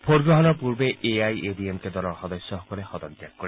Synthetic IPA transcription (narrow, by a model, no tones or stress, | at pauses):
pʰoɾɡɾɔɦɔnɔpuɾbeʔeajebiemked̪ɔɾɔɾxɔd̪ɔsːɔɦɔkɔɾehɔd̪ɔnd͡ʒak̚kːɔɾe